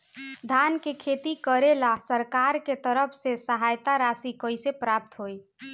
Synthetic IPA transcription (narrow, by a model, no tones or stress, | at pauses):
d̪ʱankekʰet̪ikəɾelasəɾkaɾket̪əɾəpʰsesəɦajt̪aɾasikəjsepɾap̚t̪ɦoj